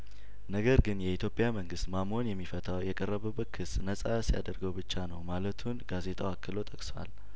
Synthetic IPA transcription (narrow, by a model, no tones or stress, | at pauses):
nəɡəɾɡɨnjɛit̪ʰjo̞pʼjaməŋɡɨst̪mamo̞njɛmːifət̪ʰawjɛkʼərːəβəbəkʰɨsnəsʼasija̰d̪əɾɡəwbɨt͡ʃːanəwmalət̪ʰunɡaze̞t̪ʰʼawakːɨlo̞t̪ʼəkʼswa̰l